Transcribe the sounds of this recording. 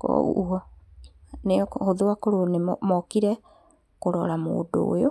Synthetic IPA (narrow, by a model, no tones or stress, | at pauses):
kɔ̰uɔ | nehoðowakoɾonemɔmɔkiɾɛ | koɾɔɾamo̰ːdo̰ːjo